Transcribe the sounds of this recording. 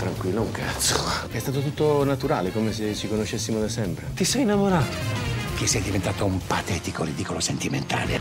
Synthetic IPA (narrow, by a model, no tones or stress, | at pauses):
t̪ɾaŋkwiːlːouŋkʰa̰t̪soɛst̪aːt̪̬ot̪̬ut̪ːonat̪uɾa̰ːlekomes̬esikonoʃːesːimod̪asɛmpɾet̪isɛjinːamoɾaːt̪ok̟isːiɛjd̪ivent̪aːt̪oumpat̪ɛt̪ikorid̪ikolosent̪iment̪a̰ːlḛ